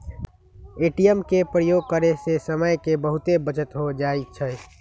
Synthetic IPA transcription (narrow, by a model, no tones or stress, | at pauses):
eʈijəmkepɾəjoɡ̚kəɾesesəməjkebəɦut̪ebət͡ʃət̪ɦod͡ʒait͡ʃʰə